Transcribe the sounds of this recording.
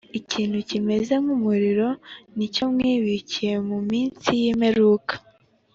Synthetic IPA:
iciːnhucime̞ze̞mumuɾiɾo̞nico̞mŋiːβicije̞mumiːnsijimeɾuːkḁ

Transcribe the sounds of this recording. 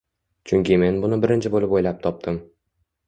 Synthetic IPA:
t͡ʃʰʊŋʲkʲɪme̞nbʊnɪbɪɾɪnt͡ʃʰɪbolɪpojlap̚t̪ʰɒp̚t̪ʰɪm

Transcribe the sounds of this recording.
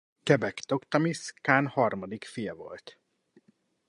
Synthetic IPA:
kɛbɛkt̪okt̪ɒmiskaːnhɒrmɒd̪ikfijɛvo̞̰lt̪

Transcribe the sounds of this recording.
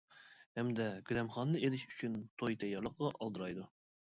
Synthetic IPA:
hɛmd̪ɛɡʲylɛmχɑnːɨelɪʃyt͡ʃʰynt̪ʰojt̪ʰɛjːɑɾlˠəqʁɑʔɑlˠd̪əɾɑjd̪u

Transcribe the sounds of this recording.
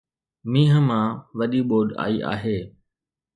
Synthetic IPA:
mĩːɦəmãːʋəɗiːɓoːɗa̰ːiːʔa̰ːɦeː

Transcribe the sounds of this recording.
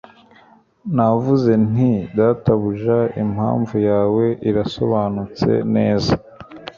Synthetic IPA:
navuze̞n̥idataβuʒaimha̰ːɱvujaːwe̞ʔiɾaso̞̰βaːnut͡se̞̰ne̞ːza

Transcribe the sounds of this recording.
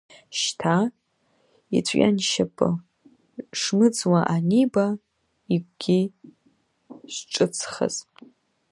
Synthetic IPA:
ʃtʰa | ḭt͡sʷʰʼja̰nʃapʰʼɨ̰ | ʂmɨd͡zwaʔaniba | ik̚ʷʼɡ̥ʲi | ʃʈ͡ʂʼɨt͡sʰχə̰z̥

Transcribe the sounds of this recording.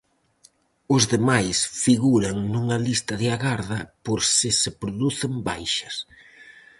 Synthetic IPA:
ʊzðemajsfiɣuɾɐŋnuŋɐlist̪ɐðɪaɣaɾðɐpoɾsɪsɪpɾoðuθɪmbajʃɐs

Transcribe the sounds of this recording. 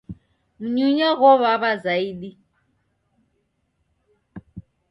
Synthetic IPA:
m̩ɲuɲɔɣɔβaβazaiɗi

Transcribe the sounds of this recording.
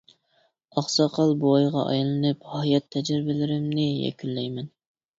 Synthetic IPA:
ɑχsɑqʰɑlˠbuɑjʁɑʔɑ̰jlˠɨnɨphɑjɑt̪ʰːɛd͡ʒɾɪbɪlɪɾɪmnɪjɛ̰kʲylːɛjmɛn

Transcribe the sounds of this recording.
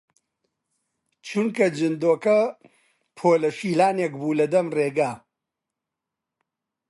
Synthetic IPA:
t͡ʃʰunkɐd͡ʒɨnd̪oːkɐ | pʰoːlɐʃiːlaːnek̚buːlɐd̪ɐmreːɡaː

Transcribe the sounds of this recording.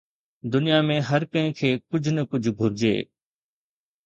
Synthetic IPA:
d̪ʊnijamẽɦɐɾkɐ̃ɦɪ̃kʰeːkʊd͡ʑʱʊnəkʊd͡ʑʱɡʱʊɾɪd͡ʑḛː

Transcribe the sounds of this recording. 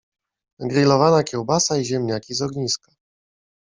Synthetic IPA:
ɡɾʲilɔvanakʲɛwbasaiʑɛmɲakʲizɔɡɲiskḁ

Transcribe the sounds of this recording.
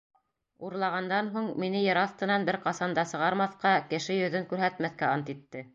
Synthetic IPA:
uɾlˠɑʁɑnd̪ɑnɦuɴminɘjɤɾɑθt̪ɤ̆nɑnbɘɾqɑsɑnd̪ɑsɤ̆ʁɑɾmɑθqɑkɘ̆ʃɘjɵ̆ðɘŋkʉɾɦæt̪mæθkæɑnt̪it̪ːɘ

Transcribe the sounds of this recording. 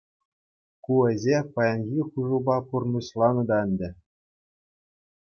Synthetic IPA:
kuɘ̆ʑʲepɑjɑnɣʲiχuʐɤ̆bɑpurnɤɕlˠɑnɤ̆d̪ɑɘ̆nʲdʲɘ̆

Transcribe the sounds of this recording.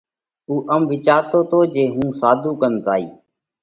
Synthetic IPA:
uːʔəmʋɪt͡ʃaːɾt̪oːt̪oːd͡ʒeːɦũːsaːd̪ʱuːkənzaːḭː

